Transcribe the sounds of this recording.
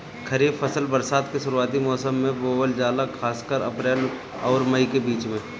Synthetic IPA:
kʰɐɾiːbfʰɐsəlbəɾsaːd̪keʃʊɾuaːt̪imɔːsəmːẽboːʋəld͡ʒaːlaxʰaːskəɾɐ̰pɾeːl | ɔːɾməikebiːt͡ʃmẽ

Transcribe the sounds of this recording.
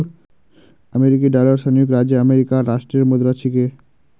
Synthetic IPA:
əmeɾik̬iɖalaɾʃanijukɾad͡ʑeəmeɾikaɾaʃʈɾeɾmod̪ɾat͡ɕʰike

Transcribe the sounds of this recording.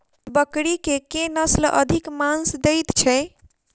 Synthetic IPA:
bəkɽikekenəslʔə̰d̪ʱikmansd̪əjt̪t͡ʃʰɛ

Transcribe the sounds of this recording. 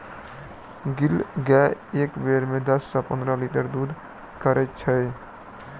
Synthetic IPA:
ɡilɡɛeːkbeːɾmẽd̪əsːãpə̃nd̪ɾaliʈəɾd̪uːd̪ | kəɾet͡ʃʰəj

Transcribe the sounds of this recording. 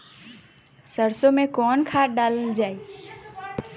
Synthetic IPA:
səɾsomẽkɔːnkʰaːɖaləld͡ʒaːe

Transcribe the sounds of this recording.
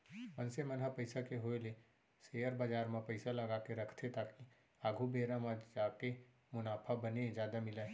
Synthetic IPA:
pənsemənɦapəɪsakeɦoele | seːjəɾbaːd͡ʒaːɾmãpəɪsalɐɡaːkeɾɐkʰt̪ʰet̪aːki | aːɡʱubʱeːɾamãd͡ʒaːke | mʊnaːpʰabəned͡ʒjaːd̪amɪlaː

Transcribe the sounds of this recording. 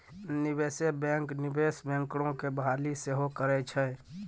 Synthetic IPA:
nɪbeːsebɛ̃ːŋknɪbeːsbɛ̃ːŋkɽ̃õkebɦaːliseɦokəɾɛt͡ʃʰɛ

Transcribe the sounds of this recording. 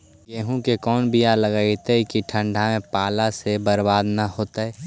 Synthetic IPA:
ɡeːɦũkekɔːnbijaləɡaːit̪ekiʈʰə̃ɳɖʱamẽpaːlasebəɾbaːd̪nahoːt̪aɛː

